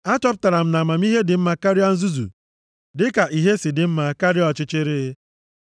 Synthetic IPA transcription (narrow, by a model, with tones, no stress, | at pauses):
a˦t͡ʃɔ˦p̬ʊ̥˦ta˨ɾa˨m̩˦na˨ma˨m̩˦i˦ɦe˦dɪ˨m̩˦ma˨ka˦ɾi˦a˦n̩˦zu˦zṵ˨ | dɪ˦ka˨ʔi˦ɦe˦sɪ˨dɪ˨m̩˦ma˨ka˦ɾi˦ɔ˨t͡ʃɪ˦t͡ʃɪ˦ɾɪ˦